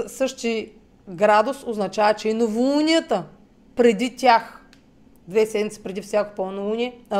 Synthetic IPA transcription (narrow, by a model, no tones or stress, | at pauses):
sɤʃt̪i | ɡɾad̪osoznɐt͡ʃavɐt͡ʃɛinovuunʲijət̪ə | pɾɛd̪it̪ʲjax | d̪vɛsɛd̪mʲit̪si̥pɾɛd̪ifsʲjako̥polˠonɐunʲiɛ